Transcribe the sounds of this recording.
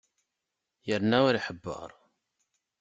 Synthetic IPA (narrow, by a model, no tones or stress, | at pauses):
jəɾnæwæɾiħəbːə̰ɾˤ